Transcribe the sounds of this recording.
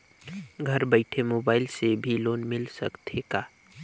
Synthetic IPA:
ɡʱəɾbəɪʈʰemoːbaːɪlsebʱiloːnmɪlsəkt̪ʰekaː

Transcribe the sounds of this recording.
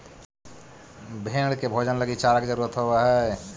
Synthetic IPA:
bʱeɽɖkebʱod͡ʒənləɡit͡ʃaləkd͡ʒəɾuɾət̪ɦobeɦɛ

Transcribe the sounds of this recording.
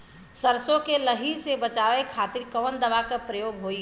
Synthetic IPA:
səɾsõkeləɦisebət͡ʃaːʋekʰaːt̪ɪɾkɔːnd̪əʋakapɾəjoːɡɦoːi

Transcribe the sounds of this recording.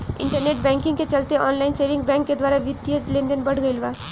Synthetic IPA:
ɪ̰̃ɳʈəɾneːʈbɛ̃ːŋkɪ̃ŋɡket͡ʃɐlt̪eʔɔːnlaɪnseːʋɪ̃ŋɡbɛ̃ːŋkːed̪waːɾaʋɪt̪ːjəd͡ʒlẽːnd̪ənbɐɽ̤ɡɐilʋaː

